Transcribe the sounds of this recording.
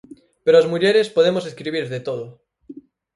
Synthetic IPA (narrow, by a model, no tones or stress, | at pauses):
peɾoazmuʎeɾespoð̞emoseskɾiβ̞iɾðet̪oðo